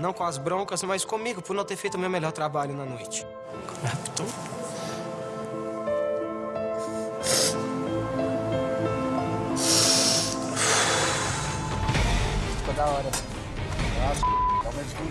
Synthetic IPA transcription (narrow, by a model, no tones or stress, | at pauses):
nɐ̃w̃kõɐzbɾõkɐzmɐjskõmiɡʊpʊɾnɐ̃w̃t̪eɾfejt̪ʊmewmɛʎɔɾt̪ɾabaʎʊnɐnojt͡ʃɪ̥ | aapi̥t̪õ | fikod̪aɔɾɐ | ast̪awmẽt͡ʃɪk